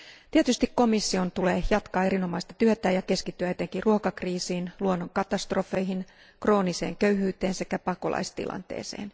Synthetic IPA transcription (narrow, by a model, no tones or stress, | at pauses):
t̪iet̪yst̪ikko̞misːio̞nt̪uleːjɑt̪kɑːe̞ɾino̞mɑist̪ɑ̥t̪yøt̪æːjɑke̞skit̪ːyæet̪eŋkiruokɑkriːsiːnluonːoŋkɑt̪ɑst̪ro̞fe̞jɦin | kro̞ːnise̞̰ːŋkøɥɦyːt̪eːnse̞kæpɑko̞̰lʔɑ̰ist̪ḭlʔɑ̰nt̪ḛːsḛːn